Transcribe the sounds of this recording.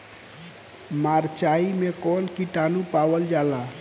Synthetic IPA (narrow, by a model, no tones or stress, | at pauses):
maɾt͡ʃaimẽkɔːnkiʈanupawəld͡ʒala